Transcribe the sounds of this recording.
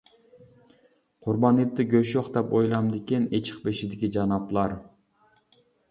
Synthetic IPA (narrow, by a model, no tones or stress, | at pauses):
qʰʊɾbɑnɨt̪ːɪɡʲøʃjoχd̪ɛpojlˠɑmd̪ɪkʲinet͡ʃʰɪ̥q̚beʃid̪ɪkʲid͡ʒɑnɑplˠɑɾ